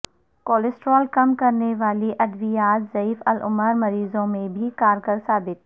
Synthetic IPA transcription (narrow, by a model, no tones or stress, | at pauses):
koːlɪsʈɾɔːlkɐmkɐɾneʋaːliʔɐd̪ʋijaːt̪zɐiːfɐlʔʊ̰məɾmɐɾiːzõmẽbʱikaːɾɡəɾsaːbɪt̪̚